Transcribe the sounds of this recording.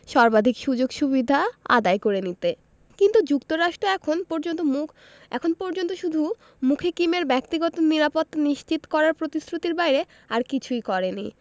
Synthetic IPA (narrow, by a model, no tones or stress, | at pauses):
ʃɔɾbad̪ʱikʃud͡ʑoɡʃuβid̪ʱaa̰d̪ajkoɾenit̪e | kint̪ud͡ʑukt̪oɾaʃʈɾoɛkʰonpɔɾd͡ʑont̪omu | ɛ̰kʰonpɔɾd͡ʑont̪oʃud̪ʱu | mukʰekimeɾbɛk̚t̪iɡɔt̪oniɾapot̪ːaniʃt͡ɕit̪kɔɾaɾpɾot̪isɾut̪iɾbajɾe | aɾkit͡ɕʰujkɔɾenḭ